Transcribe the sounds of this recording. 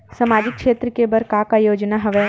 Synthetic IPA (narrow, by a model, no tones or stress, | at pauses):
sɐmaːd͡ʒɪkʃeːt̪ɾəkebɐɾkakajoːd͡ʒnaɦɐʋɛː